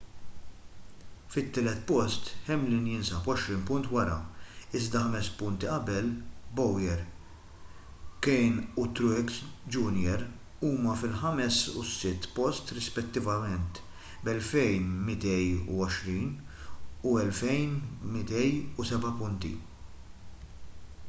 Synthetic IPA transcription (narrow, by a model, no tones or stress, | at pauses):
fɪt̪ːɪːlɛt̪ːpɔst̪ħɛmːlɪnjɪnsɐpɔʃɾiːnpʊnt̪wɐɾɐ̰ɪzd̪ɐħɐmɛspʊnt̪iʔɐbɛlbɔwjɛɾ | kɛjnut̪ɾʊksd͡ʒunjɛɾ | uːmɐfɪlħɐmɛsusɪt̪ːpɔst̪ɾɪspɛt̪ːɪvɐmɛnt̪ | bɛlfɛjnmɪt̪ɛjṵɔʃɾiːn | uɛlfɛjnmɪt̪ɛjusɛbɐpʊnt̪ḭ